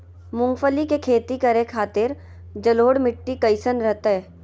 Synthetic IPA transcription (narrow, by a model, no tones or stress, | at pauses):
mʊ̃ŋɡfəlikekʰeːt̪ikɐɾekʰaːt̪ɪɾ | d͡ʒəloːɽmɪʈːikəɪsənɾəɦt̪aɦɛː